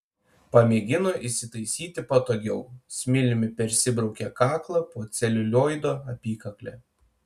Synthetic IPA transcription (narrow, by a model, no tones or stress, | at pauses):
pɐmʲeːɡʲɪnoʔisʲɪt̪ɐɪsʲiːt̪ʲɪpɐt̪oːɡʲɛʊsʲmʲɪlʲɪmʲɪpʲɛɾʲsʲɪbɾɒʊkʲɛkɑːklˠɐpoːt̪sʲɛlʲʊlʲoːjd̪oːɐpʲiːkɐklʲɛ̰ː